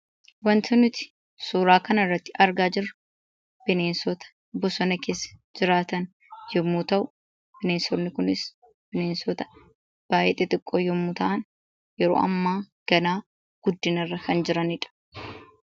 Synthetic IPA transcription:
wɐnt̪ʰɐnʊt̪ɪ̥ | suːɾaːkɐnɐrːɐt̪ːɪʔɐɾɡaːd͡ʒɪrːɐ | b̥ɪneːnsɔt̪ɐ̥ | bʊsɔnɐkeːsːɐ̥d͡ʒɪɾaːt̪ɐn | jɛmːuːt̪ɐʔʊ | b̥ɪneːnsɔnːɪkʊnɪs | b̥ɪneːnsɔt̪ɐ̥ | b̥aːʔɪt̪ʼet̪ʼɪkʼːojɛmːuːt̪ɐʔɐn | jɛɾo̰ːʔɐ̰mːaː | ɡ̥ɐnaː | ɡ̥ʊd̪ːɪnɐrːɐkɐnd͡ʒɪɾɐnɪᶑɐ̥

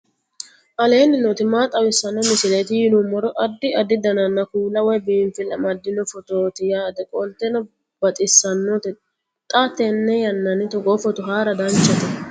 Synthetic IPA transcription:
ʔɐleːnːɪnɔt̪ɪmaːt̪ʼɐwɪsɐnːɔmɪsɪleːt̪ɪjɪnumːɔɾɔʔɐd̪ːɪɐd̪ɪd̪ɐnɐnːɐkuːlɐwɛbiːɱfɪlɐ̰mɐd̪ːɪnɔfɔt̪oːt̪ɪjaːd̪ɛkʼɔlt̪ɛnɐ | bɐt̪ʼɪsːɐnːɔt̪ɛ | t̪ʼaːt̪ːɛnːɛjɐnːɐnːɪt̪ɔɡɔfɔt̪ʊɦaːɾɐd̪ɐnt͡ʃːɛt̪ɛ

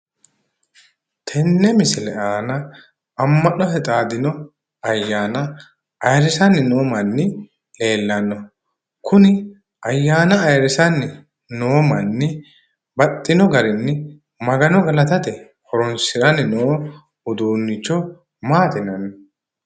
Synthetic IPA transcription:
t̪ʰɛnːɛmɪsɪlɛʔaːnɐː | mːɐnɔɦɛt̪ʼaːd̪ɪnɔ | ɐjːaːnɐ | ɐjɾɪsɐnːɪno̞ːmɐnːɪ | le̞ːlːɐnːɔ | kʊnɪ | ɐjːaːnɐːjɾɪsɐnːɪ | no̞ːmɐnːɪ | bɐt̪ʼːɪnɔɡɐɾɪnːɪ | mɐɡɐnɔɡɐlɐt̪ɐt̪ɛ | hɔɾɔnsɪɾɐnɪnoː | ʊd̪uːnːɪt͡ʃːɔ | maːt̪ɪnɐnːɔ

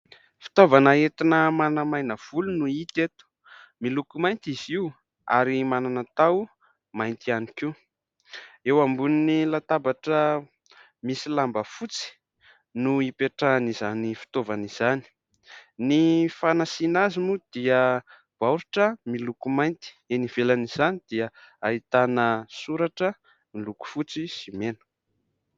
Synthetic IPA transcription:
fi̥t̪ovanaet̪inəmanəmajnəv̥ulunuit̪et̪u̥ | milukumajnt̪iziw | a̰ɾimananət̪aw | majnt̪ianiki | ewambuninilat̪abaʈ͡ʂə | misilambəfut͡si̥ | nuipeʈ͡ʂanizanifi̥t̪ovaniz̥ani̥ | nifanasinazimud̪̥iə | b̥awɾiʈ͡ʂəmilukumajnt̪i̥eniv̥elaniz̥anid̪̥iəait̪anəsuɾaʈ͡ʂə | miluku̥fut͡sisimenə̥

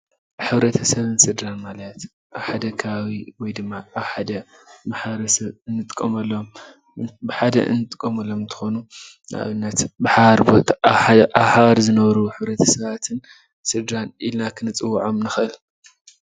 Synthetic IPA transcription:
ħɨβɾɐt̪ʰɐsɐβɨnsɨd̪ɾanmalɐt̪ | ʔaβħad̪ɐkʰaβawiwɔjd̪ɨmːaaβħad̪ɐ | maħaɐɾɐsɐβɨnːɨt̪ʼɨkʼːomɐlːom | bɨħad̪ɐ̰ɨ̰nːɨt̪ʼɨ̥kʼːomɐlːo̞mɨnt̪ʰɨ̥xonu | nɨ̰ʔa̰βɨnːɐt̪bɨħaɾbo | ʔaβħaɡɐɾzɨnɐβɐɾuħɨβɾɐt̪ʰɐ̥sɐβat̪ʰɨn | sɨd̪ɾanʔilnakʰɨnɨt͡sʼɨwːaʕomnɨxʔɨl

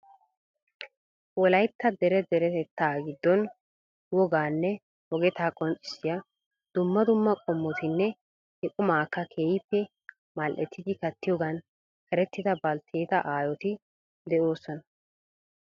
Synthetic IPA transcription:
wɔlɐjt̪ːɐd̪ɛɾɛd̪ɛɾɛt̪ɛt̪ːaːɡɪd̪ːɔn | wɔɡaːnːɛ | wɔɡɛt̪aːkʼːɔnt͡sʼɪ̥sːɪjɐ | d̪̥ʊmːɐd̪ʊmːɐkʼɔmːɔt̪ɪnːɛ | hɛkʼʊmaːkːɐkʰeːjpːɛ | mɐlʔɛt̪ʰːɪd̪ɪkɐt̪ːɪjɔɡɐn | kɐɾɛt̪ːɪd̪ɐbɐlt̪ʰeːt̪ɐʔaːjɔt̪ɪ | d̪ɛʔo̞ːsːɔnɐ

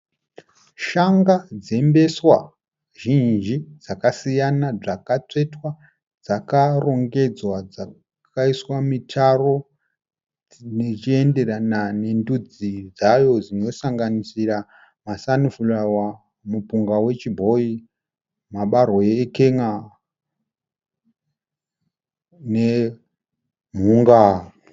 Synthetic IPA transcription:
ʃaŋɡad͡ze̞mbe̞swa | ʒind͡ʒid͡zakasijanaʐakat͡se̞twa | d͡zakaro̞ŋɡe̞d͡zwad͡za | kaiswamitʰaro̞ | net͡ʃie̞nde̞ranane̞ndud͡zid͡zajo̞d͡zino̞saŋɡanisira | masanufulawa | mupuŋɡawe̞t͡ʃibʱo̞i | maɓaroeːke̞ŋa | ne̞ | m̤uːŋɡa

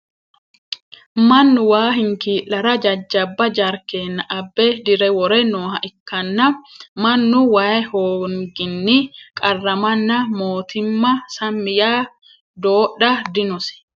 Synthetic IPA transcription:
mɐnːʊwaːɦɪŋkiːʔːɐɾɐd͡ʒɐd͡ʒːɐbːɐd͡ʒɐɾkeːnːɐʔɐbːɛd̪ɪɾɛwɔɾɛnoːhɐʔɪkːɐnːɐmɐnːʊwaːɛhoːŋɡɪnːɪkʼɐrːɐmɐnːɐmoːt̪ʰɪmːɐsɐmːɪjaː | d̪oːɗɐd̪ɪnʊsɛ̥

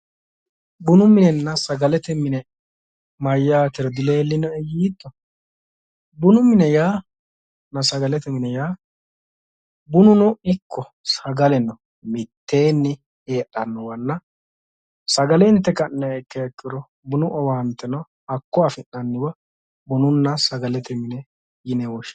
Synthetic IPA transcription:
bʊnʊmɪnɛnːɐsɐɡɐlɛt̪ɛmɪnɛ | mɐjːaːt̪ɛɾɔd̪ɪleːlːɪnɔɛjiːt̪ːɔ | bʊnʊmɪnɛjaː | nɐsɐɡɐlɛt̪ɛmɪnɛjaː | bʊnʊnɔɪkʰːɔ | sɐɡɐlɛnːɔ | mɪt̪ːe̞ːnːɪ | eːʔɐnːɔwɐnːɐ | sɐɡɐlɛɪnt̪ːɛkɐnnɛɛkːɛkʼːɪɾɔ | bʊnʊʔɔwaːnt̪ːɛnɐ | ɐkːɔɐfɪnːɐnːɪwɐ | bʊnʊnːɐsɐɡɐlɛt̪ɛmɪnɛ | jɪnɛwɔʃ

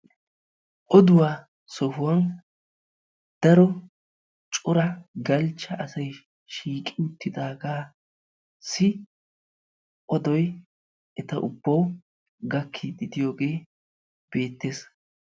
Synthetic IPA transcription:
ʔɔd̪ʊwaː | sɔhʊwɐn | d̪̥ɐɾɔ | t͡ʃʼʊɾɐɡɐlt͡ʃːɐʔɐsɐj | ʃiːkʼɪʊt̪ʰːɪd̪aːɡaː | sɪ | ʔɔd̪ɔj | ʔɛt̪ɐʔʊbːɐw | ɡɐkʰːid̪ɪd̪ɪjo̞ːɡe̞ː | b̥e̞ːt̪ːe̞ːs

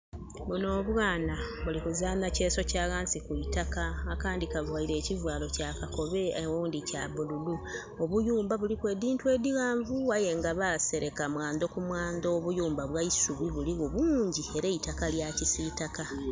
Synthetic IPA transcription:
βuno̞ːβwaːnaβulikuzaːnace̞ːso̞caːɣaːnsikuitakaːkaːndikavwaiɾe̞ːcivwaːlo̞caːkako̞βe̞a̰wuːndicaːβululu | o̞βujuːmbaβulikwe̞ːd̪iːntwe̞ːd̪iɣaːɱvuaje̞ŋɡaβase̞ɾʔe̞kamwaːnd̪o̞kumwaːnd̪oβujuːmbaβwaisuβiβuliɣoβuːɲɟie̞ɾeitakaljacisiːtaka

